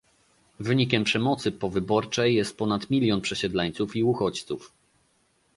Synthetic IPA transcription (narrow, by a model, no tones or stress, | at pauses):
vɘɲikʲɛmpʂɛmɔt̪sɘpɔvɘbɔɾt͡ʂɛjːɛst̪̚pɔnat̪mʲilʲjɔnpʂɛɕɛd̪laɲt̪sufiuxɔt͡ɕt̪suf